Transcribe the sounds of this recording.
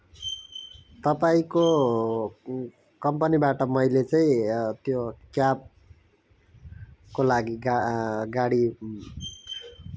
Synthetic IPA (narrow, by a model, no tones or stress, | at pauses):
t̪ʌpaĩko | kʌmpʌnibaʈʌmʌilet͡saĩt̪jokjab̚ | kolaɡiɡaɡaɽi